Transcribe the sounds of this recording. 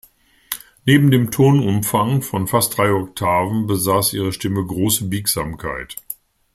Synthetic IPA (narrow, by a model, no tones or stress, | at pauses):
neːbm̩deːmtʰoːnʊmfaŋfɔnfast̚d̥ʁaɪɔk̚tʰaːvn̩bəzaːsʔḭːʁ̞əʃtɪməɡʁoːsəbiːkz̥aːmkʰa̰ɪt